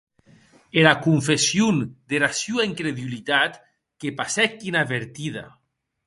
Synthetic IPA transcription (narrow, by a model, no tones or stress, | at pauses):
eɾakuɱfesjund̪eɾasjuaŋkɾeðulit̪at̪ | kepasɛkːinaβeɾt̪iða̰